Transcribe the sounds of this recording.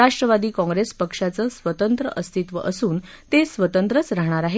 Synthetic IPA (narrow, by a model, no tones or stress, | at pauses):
aʂʈɾəʋad̪iːkɔ̃ŋɡɾespəkʂat͡səːsʋət̪ənt̪ɾəʔəst̪ʰit̪ʋə̰ʔəsuːn | t̪esʋət̪ənt̪ɾət͡sɾaɦɳ̃aɾaɦe